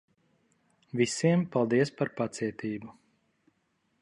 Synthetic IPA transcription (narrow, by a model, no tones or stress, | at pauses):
vʲisiɛmpalˠd̪iɛspaɾpat̪siɛt̪ʰiːbu